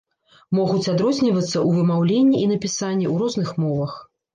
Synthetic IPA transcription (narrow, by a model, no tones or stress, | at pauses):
mɔɣut͡sʲad̪ɾɔzʲnʲivɐt̪sːɐʔuvɨmawlʲenʲːiʔinɐpʲisanʲːɛwɾɔznɨxmɔvɐx